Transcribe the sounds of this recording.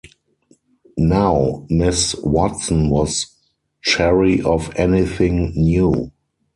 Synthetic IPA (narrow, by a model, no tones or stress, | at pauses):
naʊmɪswɔtsə̃nwɔs | t͡ʃɛɹiʔɔfɛniθɪ̃ŋnjuː